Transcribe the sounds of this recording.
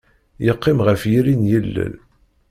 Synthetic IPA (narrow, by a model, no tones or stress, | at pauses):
jəqːɪmʁəfjiɾinjəlːə̰l